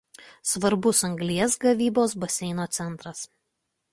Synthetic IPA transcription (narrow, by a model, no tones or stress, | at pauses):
sʋɐɾbʊsɐŋɡlʲiɛsɡɐʋʲiːboːs̬bɐsʲɛɪnoːt̪sʲɛnˑt̪ɾɐs